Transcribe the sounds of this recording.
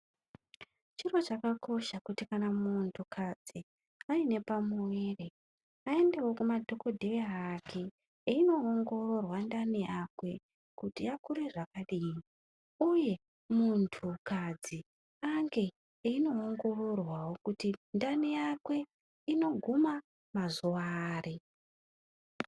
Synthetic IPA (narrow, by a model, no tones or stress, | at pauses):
t͡ʃiro̞t͡ʃakako̞ʃakutikanamuntʰukʰad͡zi | aine̞pamuwe̞re̞ | ae̞nde̞wo̞kumadʱo̞ko̞dʱe̞eːkʰe̞ | ino̞ːŋɡo̞ro̞rwandanijakwe̞ | kutijakuɾeʐakaɗii | uje̞ | muntʰukad͡zi | aŋɡe̞ | ino̞ːŋɡo̞ro̞rwawo̞kutindanijakwe̞ | ino̞ɡʱuma | mazuwaːri